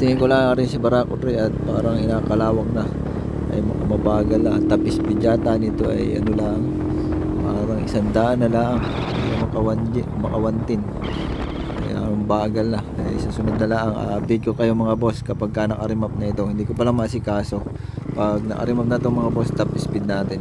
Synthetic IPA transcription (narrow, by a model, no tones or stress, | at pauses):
t̪ɪŋɪŋkolaŋaːɾɪnsibɐɾakʊt̪ɾɛʔɐt̪̚paːɾɐŋɪnaːkɐlaːwɐŋnɐ | ʔɐ̰jmɐkɐmɐbaːɡɐlːɐʔɐt̪ːɐpɪsbɪd͡ʒaːt̪anɪt̪oʔɐ̰jʔɐ̰nolaʔɐŋ | paːɾɐŋɪsɐnd̪aːʔɐnːɐlaːʔɐŋ | jjomɐkɐwɐnmɐkɐwɐnt̪ɪn | ʔɐ̰ja̰ŋbaːɡɐlnɐɐjsɐsʊnod̪̚nɐlaːʔɐŋʔa̰ːʔɐb̪ɪɡ̚kokɐjomɐŋabo̞skɐpaɡ̚kɐnɐkɐɾɪmap̚nɐʔɪt̪o̞hɪnd̪iːkopɐlamɐʔas̬ɪkaːso̞ | pɐɡ̚nɐ̰ʔɐ̰ɾɪmap̚nɐʔɪt̪oŋmɐŋabo̞st̪ɐpʔɪspɪd̪̚naːt̪ɪɛn